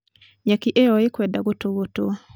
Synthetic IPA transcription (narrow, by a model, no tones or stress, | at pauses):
ɲakiʔeɔɪkwɛdaɡotoɡoto